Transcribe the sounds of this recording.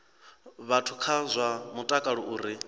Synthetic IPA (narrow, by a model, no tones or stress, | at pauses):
βatʰu̥kʰazʷamutʼakʼaɺɔʔuːɾi